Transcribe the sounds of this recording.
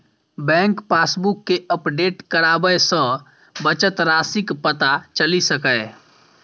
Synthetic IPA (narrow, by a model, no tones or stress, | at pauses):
bɛ̃ŋkpasbukːeəpɖeʈkəɾabəjsə̃ | bət͡ʃət̪ɾasikpət̪at͡ʃəlisəkəj